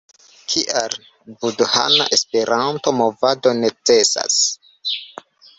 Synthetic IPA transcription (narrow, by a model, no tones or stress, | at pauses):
kʰiʔal | budha̰na̰ʔe̞spe̞ɾʔanto̞mo̞vado̞ne̞t͡se̞sa̰s